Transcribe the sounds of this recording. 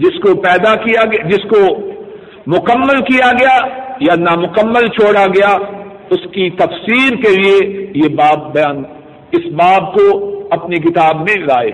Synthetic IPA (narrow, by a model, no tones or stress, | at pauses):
d͡ʒɪskopɛːd̪akijaɡd͡ʒɪsko | mʊkəmːəlkijaɡɐjajanamʊkəmːəlt͡ʃʰoːɽaɡɐja | ʊskit̪ɐfsiːɾkeliejebaːp̚bɐjaːn | ɪsbaːb̚koɐpnik̬ɪt̪aːbmẽɾaːḛː